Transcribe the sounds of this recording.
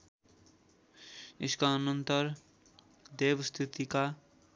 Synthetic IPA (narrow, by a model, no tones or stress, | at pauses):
eskaʌnʌnt̪ʌɾ | d̪ebst̪ʰit̪ika